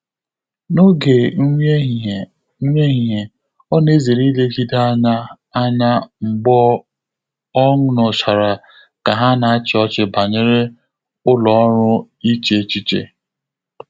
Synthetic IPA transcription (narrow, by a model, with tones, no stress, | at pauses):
no˦ɡe˨˦ | ŋʷe˦ɦi˨e˨ | ɔ˦ne˦ze˨ɾi˦le˦d͡ʒi˦da˦ɲa˦ | a˦ɲa˦ŋ͡m̩˨ɡ͡bɔ˦ | ɔ˦ŋʊ˦nɔ˨sa˨ɾa˨ | ka˨ɦa˦na˨a˦t͡ʃɪ˨˦ɔ˦t͡ʃɪ˨ba˨ɲe˦ɾe˦ | ʊ˦lɔ˨ɔ˦ɾʊ˦ | i˦t͡ʃe˦˨t͡ʃi˦t͡ʃḛ˨